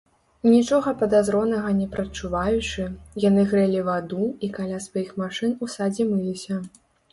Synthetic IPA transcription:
nʲit͡ʂɔɣɐpɐd̪azɾɔnɐɣɐnʲɛpɾɐt͡ʂːuvajut͡ʂɨjanɨɣɾɛlʲivad̪uikalʲasvajixmaʂɨnusad͡zʲimɨlʲisʲɐ

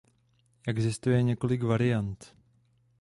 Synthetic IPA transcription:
jɛɡzɪst̪ujɛɲɛkolɪɡvaɾɪjant̪

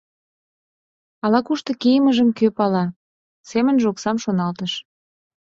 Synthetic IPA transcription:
ɑlɑkuʃt̪ɤ̆kijəməʒəmkøpɑlɑ | semənʒoksɑmʃonɑlt̪əʃ

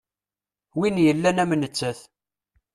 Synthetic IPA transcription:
winjəlːænæmnət͡sːæθ

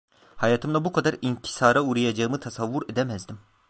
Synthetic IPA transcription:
hajaːt̪ʰɯmlabukʰad̪aɾincʰi̥saːɾauɾajad͡ʒaɯmɯt̪ʰasavːuɾed̪ɛmɛzd̪im

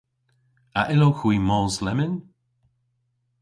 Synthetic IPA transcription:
aʔɪloxwiːmɔːslɛmɪn

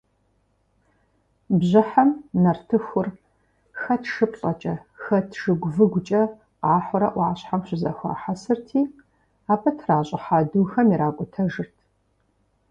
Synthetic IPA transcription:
bʑɪħamnɐrtʰɨxʷʊr | xɐtʰʂɨpʰʼɬʼɐt͡ʃʼɐxɐtʰʂɨɡʷʊvɨɡʷʊt͡ʃʼɐ | qɑːħʷʊɾɐʔʷɑːɕħamɕʷʊzɐ̰xʷɐ̰ħasɨrtʰiː | aːpʰɐtʰraːɕʼɪħaːduxɐmiɾaːkʷʼʊtʰɐʒɨrtʰ

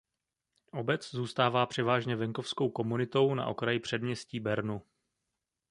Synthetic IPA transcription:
ʔo̞bɛt͡szuːst̪aːvaːpr̝̥ɛvaːʒɲɛvɛŋko̞fsko̞wko̞munɪt̪o̞wna̰ʔo̞̰kɾajɪpr̥ɛdmɲɛsciːbɛɾnu

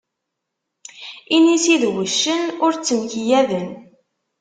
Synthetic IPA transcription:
inisiðwəʃːənʊɾt͡sːəmçijæðən

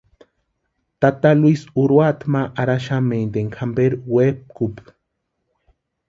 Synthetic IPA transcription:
t̪at̪alwisuɾwat̪maʔaɾaʃamend̪eŋkʰambeɾwep̚kup

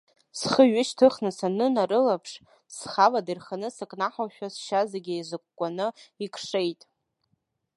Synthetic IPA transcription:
sχəɥɪʃtʰɨχnɨsanɨnaɾɨlapʰʂ | sχavadirχanɨsakʼnaħaʃᶣasʃazaɡʲiezɨkʷʼkʷʼːanɨikʰʼʂe̞jtʼ

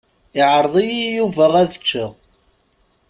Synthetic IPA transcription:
ɪʕəɾˤðˤijijuvəʁæðə̥t͡ʃːəʁ

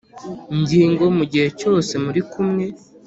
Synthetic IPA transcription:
ɲɟiːŋɡo̞muɟihe̞co̞ːse̞muɾikʰumŋe̞

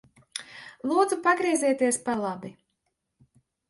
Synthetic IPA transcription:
lˠuːd̪zupaɡɾiːzʲiɛt̪iɛspaɾlˠabi

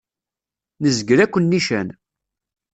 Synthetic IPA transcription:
nəzɡɾækʷːənːiʃæn

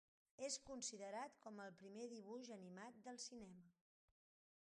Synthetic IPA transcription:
eskunsiðəɾat̪kɔməlˠpɾimeðiβuʒənimat̪̚d̪əlˠsinɛmə

